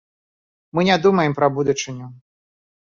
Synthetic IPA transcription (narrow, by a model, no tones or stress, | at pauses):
mɨnʲad̪umɐjɛmpɾɐbud̪ut͡ʂɨnʲʊ